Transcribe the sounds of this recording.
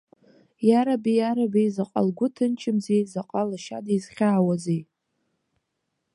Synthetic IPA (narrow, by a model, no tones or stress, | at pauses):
jaɾabijaɾabejzaqʼa̰lɡʷʊtʰɨnt͡ʃʰɪmzejzaqʼalaʃa̰dijzχʲaːwazej